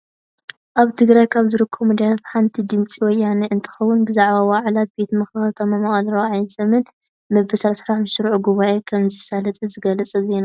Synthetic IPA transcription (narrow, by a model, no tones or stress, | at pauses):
ʔaβt̪ʰɨɡɾajkʰaβzɨɾɨkʰːɐmɨd̪ajat̪ħant̪ʰid̪ɨmt͡sʼiwɔjːaneʔɨnt̪ʰɨ̥xɐwːunbɨzaʕβawaʕlabe̞t̪mɐxɨxɐt̪ʰɐmamɐχʼad̪ɾɐwʕajzɐmɨn | mɐbɨsasɾaħmɨʃɨɾʕuɡuβaʔekʰɐmzɨsalɐt̪ʼɨzɨɡɐlɐt͡sʼɐze̞na